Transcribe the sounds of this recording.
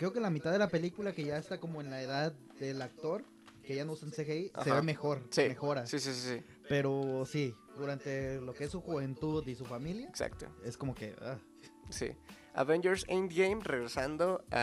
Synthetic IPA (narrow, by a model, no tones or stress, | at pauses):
kɾe̞okelamit̪aððelape̞likulake̞ʝaest̪ako̞mo̞e̞nlaeðað | ðe̞lak̚t̪o̞ɾ | keʝanousansexeiseββeme̞xo̞ɾsimexo̞ɾasisisisi | pe̞ɾo̞si | ðuɾant̪e̞lo̞keesːuxuβe̞nt̪uðisufamiljaeksa̰kt̪o̰esko̞mo̞ke̞̰ʔa̰ | sḭ | a̰βẽnd͡ʒeɾsẽjnd̪ɡejmreɣɾesand̪oa